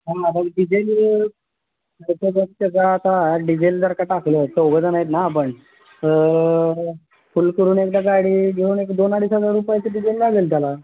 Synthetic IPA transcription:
ɦãat̪aɖid͡ʑel | t̪obət̪əd͡zaːt̪aɖid͡ʑeld̪əɾkaʈ̪aklət̪əɡəd͡zanait̪napəɳ | fulkəɾuːnekd̪aɡaɽiːɡeuːnekd̪onaɽisɦəd͡zaɾupjet͡səɖid͡ʑelnaɡelt̪jala

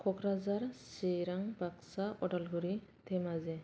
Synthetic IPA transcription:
kʰɔkɾazaɹseɾaŋbaksaʔɔʈalɡuɾit̪ʰɛmazɛ

